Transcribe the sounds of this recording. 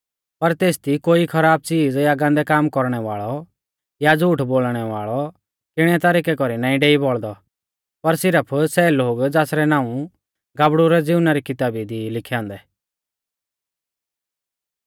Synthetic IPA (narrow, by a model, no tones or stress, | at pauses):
pɐɾt̪eːst̪ikoːikʰɐɾaːb̚t͡siːd͡zjaɡãnd̪ɛkaːmkɔɾɽ̃ɛʋaːɭɔ | jad͡zuːʈʰboːlɽ̃ɛʋaːɭɔ | kɪɽ̃ɛt̪aɾiːkɛkɔɾinaːĩɖeːibɔɭd̪ɔ | pɐɾsɪɾəpʰsɛːloːɡd͡zaːsɾɛnaːũ | ɡaːbɽʊɾɛd͡zɪʊnaɾikɪt̪aːbid̪ilɪkʰjãːnd̪ɛ